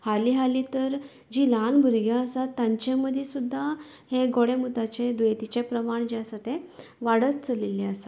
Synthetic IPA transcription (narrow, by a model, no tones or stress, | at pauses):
haliɦalit̪əɾ | d͡ʑiːlanbʱəɾɡjãəsat̪ːãɲt͡ɕeməd̪ʱesud̪ʱːa | heɡoɽemut̪at͡ɕed̪ʋet̪it͡ɕepɾəmaɳd͡ʑeəsat̪ẽʋaɽət̪t͡səleliəsa